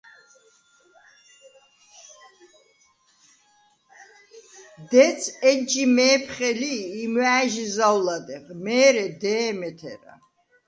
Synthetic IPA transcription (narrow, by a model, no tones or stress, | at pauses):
d̪ɛt͡sʰɛd͡ʒimɛːpʰχɛliːmwæːʒizawlad̪ɛχmɛːɾɛd̪ɛːmɛt̪ʰɛ̰ɾa̰